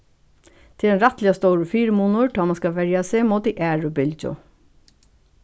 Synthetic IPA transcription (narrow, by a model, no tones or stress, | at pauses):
t̪ʰɪld̪ɛnɾɑt̪lɪɑst̪oːɹəfiːɾəmuːnʊɹʈʰɑːmɑnskɑʋɛɹjɑseːmoːd̪iʔæːɹʊbɪld͡ʒʊ̰